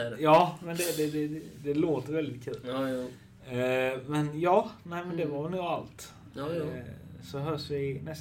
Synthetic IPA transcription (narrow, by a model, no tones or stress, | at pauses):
jɑːmɛnd̪ɛd̪ɛd̪ɛd̪ɛloːt̪əɾvɛld̪ɪt̪̚kʰʉ̟ːl | mɛnjɑːnæɪmɛnd̪ɛvaɾnuːalt̪ | sɔɦœːʂvɪnɛs